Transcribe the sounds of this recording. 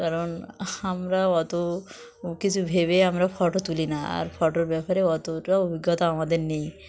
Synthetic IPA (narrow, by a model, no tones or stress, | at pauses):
kaɾɔnamɾaɔt̪o | kit͡ɕʰubʱeβeamɾapʰɔʈot̪ulinaa̰ɾpʰɔʈoɾbɛpaɾeɔt̪oʈaobiɡːɔt̪aamad̪eɾnej